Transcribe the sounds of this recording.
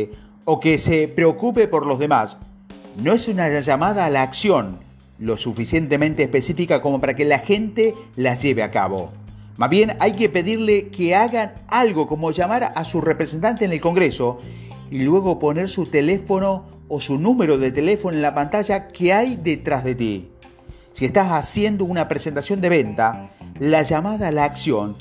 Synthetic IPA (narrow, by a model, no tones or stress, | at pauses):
o̞kesepɾeo̞kupe̞po̞ɾlo̞zðe̞mas | no̞esunaʒamað̞aːlaːksjo̞n | lo̞sufisje̞nt̪emẽnt̪eːspe̞sifikako̞mo̞paɾake̞laxe̞nt̪elazʒe̞βeaka̰βo̞̰ | mazβje̞najkepe̞ðiɾlekeaɣan | alɣo̞ko̞mo̞ʒamaɾasurepɾese̞nt̪ant̪eːnelko̞ŋɡɾeso̞ | ilwe̞ɣo̞po̞ne̞ɾsut̪ele̞fo̞no̞ː | sunume̞ɾo̞ðet̪ele̞fonoenlapant̪aʒakeajðet̪ɾazðe̞t̪̬ḭ | sie̞st̪asasje̞nd̪o̞unapɾese̞nt̪asjo̞nd̪e̞βe̞nt̪alaʒamað̞alaːksjo̞n